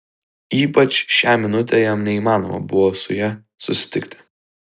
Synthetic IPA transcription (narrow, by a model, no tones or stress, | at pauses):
iːpɐt͡ʃʃʲæːmʲɪnʊt̪ʲejɛmnʲɛiːmɑːno̰ːmɐ̰bʊʋoːsʊjɛ | sʊsʲɪ̥t̪ʲɪkt̪ʲɪ̥